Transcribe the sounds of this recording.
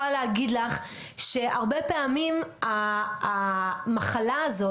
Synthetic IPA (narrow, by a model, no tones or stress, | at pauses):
aleaɡid̪laχ | ʃe̞ʔaʁbepeamimaː | maχalaːzo̞